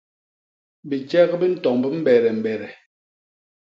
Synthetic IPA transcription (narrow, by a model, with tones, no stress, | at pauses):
bi˨t͡ʃɛ˦ɣbi˦n̩˦tɔ˨ŋbə˦m̩˦bɛ˨ɾɛ˨m̩˨bɛ˨ɾɛ˨